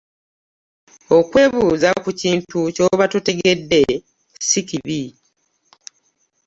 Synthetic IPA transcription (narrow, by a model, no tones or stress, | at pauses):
o̞kwe̞ːβuːzakuciːntuco̞βatute̞ɡe̞dːe̞ | sikiβi